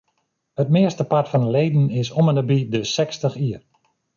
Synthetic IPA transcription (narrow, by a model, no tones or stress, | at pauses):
hətmɪəstəpatfɔnəlejdn̩ɪsomənəbidəsɛkstəxiər